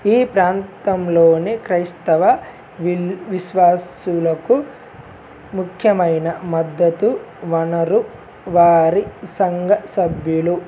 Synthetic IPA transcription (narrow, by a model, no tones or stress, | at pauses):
iːpɾaːnt̪ɐmlo̞ːnekɾɐjst̪ɐʋɐ | ʋiʋiʃʋaːsulɐku | mukʰjɐmɐjnɐmɐd̪ːɐt̪u | ʋɐnɐɾu | ʋaːɾisɐŋɡʱɐsɐbʱjulu